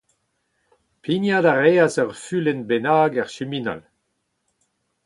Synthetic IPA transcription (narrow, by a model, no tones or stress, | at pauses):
pʰinjadaʁeːazœʁfylɛnbenaːɡɛʁʃymina̰l